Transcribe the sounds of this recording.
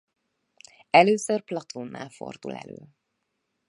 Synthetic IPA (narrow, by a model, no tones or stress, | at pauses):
ɛløːsørplɒt̪ʰonːa̰ːlfo̞̰rd̪ṵlɛ̰lø̰ː